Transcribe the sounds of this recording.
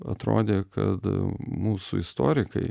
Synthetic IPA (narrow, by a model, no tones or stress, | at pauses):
ɐ̰t̪ɾo̰ːd̪ʲeːkɐ̰t̪muːsṵɪst̪oːɾʲɪkɐɪ